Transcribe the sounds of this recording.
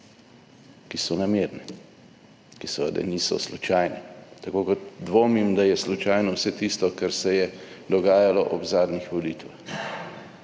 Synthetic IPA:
kisɔnameːɾnɛ | kisʋə̰d̪ɛ̰niːsɔ̰slut͡ʃaːjnɛt̪akoːkɔt̪̚d̪ʋoːmimd̪ajɛslut͡ʃaːjnɔwsɛt̪ist̪ɔkaɾsɛjɛd̪ɔɡaːjalɔʔɔbzaːd̪nixʋɔlit̪ʋax

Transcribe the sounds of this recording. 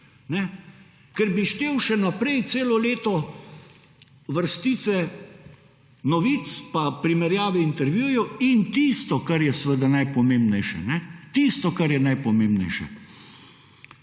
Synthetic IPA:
nɛ | kɛɾbiʃt̪eːwʃɛnapɾɛjt̪seːlɔleːt̪ɔ | ʋəɾst̪iːt̪sɛ | nɔʋiːt̪spapɾimɛɾjaːʋɛint̪ɛɾʋjujɔint̪ist̪ɔkaɾjɛsʋəd̪anajpɔmeːmbnɛjʃɛ̰nɛt̪ist̪ɔkaɾjɛnajpɔmeːmbnɛjʃɛ̰

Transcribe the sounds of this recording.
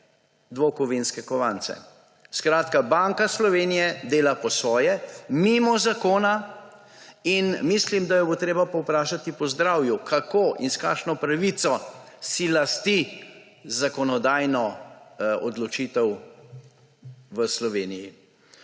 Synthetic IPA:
d̪ʋokɔʋinskɛkɔʋant̪sɛ̰ | skɾaːt̪kabaŋkaslɔʋeːnijɛd̪eːlapɔsʋɔːjɛmimɔzakoːna | inmislimd̪ajɛbot̪ɾeːbapɔwpɾaːʃat̪ipɔzd̪ɾaːwjukʰakoːʔinska̰ːkʃnɔpɾaʋit̪sɔ | silast̪i | zakɔnɔd̪aːjnɔ | ɔd̪lɔt͡ʃit̪ɛw | ʋəslɔʋeːniji

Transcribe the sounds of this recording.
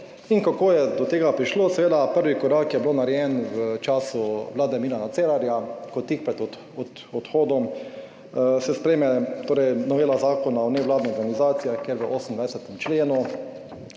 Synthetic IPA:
iŋkakoːjɛd̪ɔt̪eːɡapɾiʃloːsɛʋeːd̪apəɾʋikɔɾakjɛblonaɾjɛnʋət͡ʃaːsuʋlaːd̪ɛmiːɾanat̪seːɾaɾjakɔt̪ːik̚pɛt̪ɔ | ɔt̪ | ɔt̪xoːd̪ɔm | sɛspɾɛjmɛt̪oːɾɛjnɔʋeːlazaːkɔnaɔnɛʋlaːd̪nɛɔɾɡanizaːt̪sijaxkeɾʋəʔoːsn̩d̪ʋajsɛt̪ɛmt͡ʃleːnu

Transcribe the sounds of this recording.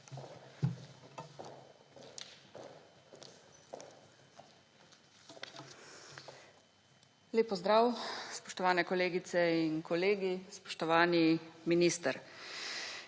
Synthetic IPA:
leːpːɔzd̪ɾaːwspɔʃt̪ɔʋaːnɛkɔleːɡit̪sɛinkɔleːɡispɔ̥ʃt̪ɔʋaːniminist̪əɾ

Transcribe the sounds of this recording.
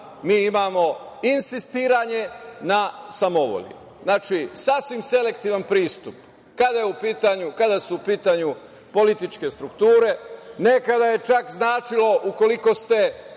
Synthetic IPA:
miːimaːmo̞ | insist̪iːɾaɲe̞nasamo̞ʋo̰ʎḭ | znaːt͡ʃisasʋimse̞le̞k̚t̪iːʋanpɾiːst̪up | kad̪ajeupiːt̪aɲukad̪asuupiːt̪aɲu | po̞lit̪it͡ʃke̞st̪ɾukt̪uːɾe̞ne̞kad̪aje̞t͡ʃakznaːt͡ʃilo̞ʔuko̞liko̞st̪e̞

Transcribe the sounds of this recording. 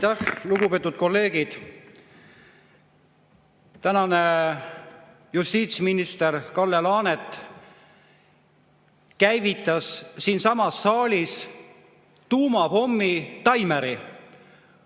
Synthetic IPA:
jt̪æhluɡ̥upe̞ːt̪ud̪t̪̚ko̞lːe̞ːɡ̥id̪̥ | t̪ænɑne | just̪iːt̪sminist̪eɾkɑlːelɑːnet̪ˑ | kæjvit̪ːˑɑssiːnsɑmɑsːɑːlʲis | t̪uːmɑpo̞mːit̪ɑjmeɾi

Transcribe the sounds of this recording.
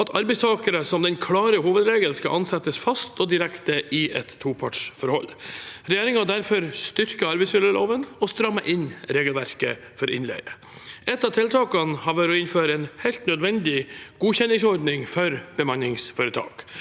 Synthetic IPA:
ɑt̪ʰɑɾbɛɪst̪ʰɑːkəɾəsɔmd̪ɛnkʰlɑːɾəɦuːʋəd̪ɾeːɡəlskɑ̰lʔɑnsɛt̪ːəsfɑst̪ʰɔd̪ɪɾɛkt̪əʔɪɛt̪ʰːuːpʰɑʈʂfɔɾhɔlːɾɛjeːɾɪŋɑd̪æɾfɔɾst̪ʏɾkəɑɾbɛɪsmɪləloːʋənɔst̪ɾɑmːəʔɪnɾeːɡəlʋæɾkə̰ | fɔɾɪ̰nlɛ̰ɪə | ʔɛt̪ːɑt̪ʰɪlt̪ʰɑːkɑnhɑʋæɾɔɪnføːɾəɛːnhɛɪlt̪nœd̪ʋɛnd̪ɪɡ̥uːçɛnːɪŋsɔɾɖ̪nɪŋfɔɾb̥əmɑnɪŋsfɔːɾət̪ʰɑ̰ːk

